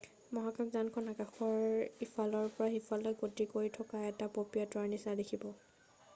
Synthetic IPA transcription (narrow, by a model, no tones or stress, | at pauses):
mɔɦakakzankʰɔnakaxɔɹhifalɔɹpɔɹahifalɔɡotikoɹitʰɔkaɛtapopɹijatɔaɹnisadekʰibɔ